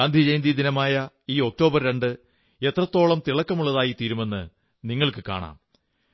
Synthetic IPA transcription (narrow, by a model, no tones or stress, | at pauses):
aːnd̪ʱid͡ʑejnd̪id̪inɐmaːjɐ | iːo̞k̚to̞ːbɐrɾe̞ɳɖɨ | et̪rɐt̪ːo̞ːɭɐmt̪iɭɐkːɐmuɭːɐðaːjit̪iːɾume̞nːɨ | niŋːɐɭkɨka̰ːɳa̰ːm